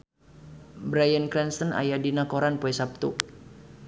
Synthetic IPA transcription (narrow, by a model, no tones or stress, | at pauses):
bɾajənkɾɛnst̪əna̰jadinakɔɾanpuɛsap̚t̪u